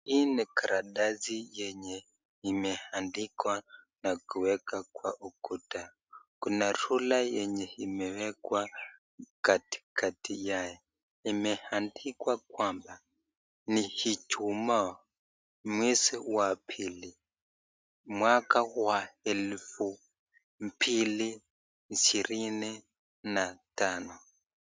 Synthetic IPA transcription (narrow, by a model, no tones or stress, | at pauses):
inɛkʰaɾaɗazijɛɲɛ | imɛhandikwanakuwɛkakwa̰ʔukuta | kunaɾulajɛɲɛimɛwɛkwa | kati̥kʰatʰijajɔ | imɛhandikwakwamba | nihit͡ʃuma | mwesiwapʰili | mwakawaelfu | mpʰili | nt͡ʃirini | natanu